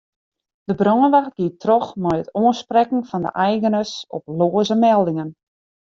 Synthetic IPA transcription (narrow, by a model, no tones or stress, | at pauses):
d̥əbrɔːnʋaxt̚ɡ̥iətrɔxmɔjətoənsprɛkn̩fɔndə̰ʔɛjɣənəsɔ̰ploːəzəmɛlˠdɪŋən